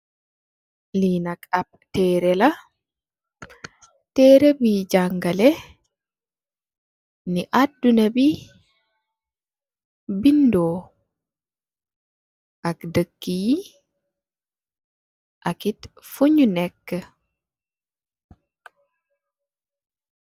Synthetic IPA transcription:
liːnakʼap̚ | tɛːɾɛla | tɛːɾebid͡ʒaŋɡalɛ | niʔadːunabi | bindɔː | ʔakdəkːiji | ʔakitfuɲunɛkːə

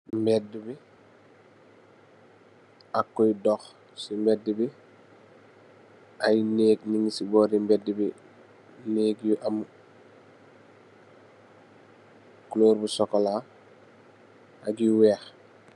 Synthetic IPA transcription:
mbɛdubi | akːojdɔx | simbɛdibi | ajneːɡniŋisibɔːɾimbɛdibi | neːɡjuʔam | kloːɾbusɔkːola | aɡiwɛːx

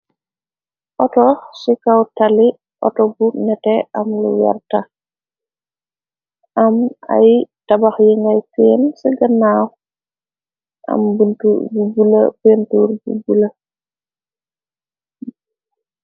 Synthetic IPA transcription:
ʔɔtɔsikawtali | ʔɔ̰tɔbunɛtɛʔamlṵwɛ̰rta | ʔama̰jtabaxjiŋɡajfensiɡanaw | ʔa̰mbuntububula̰pentuɾbubula

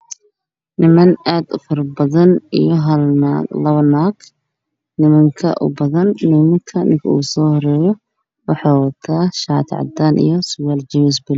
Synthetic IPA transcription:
nɪmɐnaːd̪ʊfɐrbɐðɐnijɔɦɐlɐβɐnaːɡ | nɪmɐŋkʰɐ̰ʔʊ̰bɐðɐnːɪmɐŋkʰɐnɪŋkʰɐuːsɔːhɔɾɛːjɔ | wɑħɑːwɐt̪ʰaːʃaːt̪ʰʕɑ̰d̪aːnʔḭjɔsʊwald͡ʒɪmɪs̬bɪl

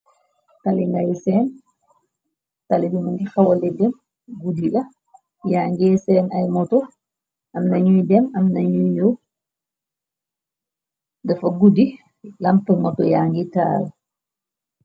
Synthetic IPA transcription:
taliŋɡajsɛn | talidimandixawɔlɛdɛm | ɡudiɗa | jaːŋɡɛsɛnajmɔtɔ | ʔamnaɲujdɛmamnaɲujɲɔw | dɛfaɡudi | lampamɔtɔjaːŋɡita̰ːl

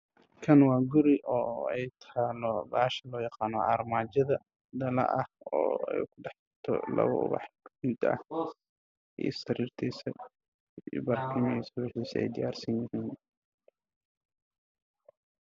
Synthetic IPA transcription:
kʰɐnwɑːɡʊɾɪʔɔːɛjt̪ʰaːlɔbaːʃɐlɔːjɑqɑːnɔʔaːrmaːt͡ʃɐðɐ | d̪ɐlɐ̰ʔɐhɔ̰ːɛ̰jkʰʊɖɑħtɐt̪ʰɔ̰lɐ̰βɐ̰ʔʊ̰βɑ̰ħmʊd̪ɐ̰h | ʔḭsɐɾiːrt̪ʰɛːsɐ | ibarkʰɪmɐisɐβɛħiːsɐɛ̰jd̪ɪjaːrsɐnjɪhiːn

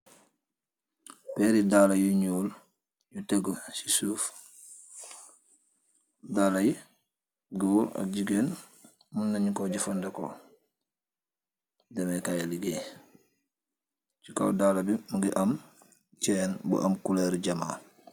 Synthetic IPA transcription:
pɛɾidalɐjuɲuːl | juteɡəsisuːf | daːlaji | ɡuɾɐ̰ɟiɡeːn | munːɐɲikoɟifɐndɐko̰ | dɛmekajaliɡeː | t͡ʃuka̰wdaːlɐbimuɡiʔɐm | cɛːnbṵʔɐ̰mkuleɾɟɐma̰ː

